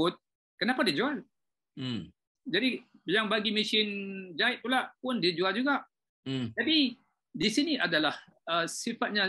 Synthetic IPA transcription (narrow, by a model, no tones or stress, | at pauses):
ʊt̪̚ | kənapadid͡ʒual | d͡ʒadijaŋbaɡimisɪnd͡ʒaɪʔ̚t̪ulaʔpʊndid͡ʒuald͡ʒuɡaʔ | t̪api | disiniʔadalah | əsifat̪̚ɲã